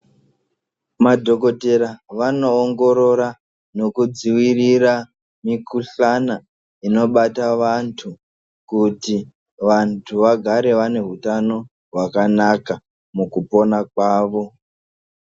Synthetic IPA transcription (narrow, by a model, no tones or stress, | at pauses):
madʱo̞ko̞te̞ɾaʋano̞ːŋɡo̞ɾo̞ɾa | no̞kud͡ziwirira | mikuɬana | ino̞ɓataʋantʰu | kuti | ʋantʰuʋaɡʱaɾe̞ʋane̞ɦutano̞ | ɦwakanaka | mukupo̞nakwaːʋo̞